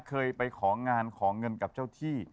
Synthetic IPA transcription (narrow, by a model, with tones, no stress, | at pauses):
kʰɤː˧jpa˧jkʰɔː˩˦ŋaː˧nkʰɔː˩˦ŋɤ˧nka˨˩p̚t͡ɕa˥˩wt̪ʰiː˥˩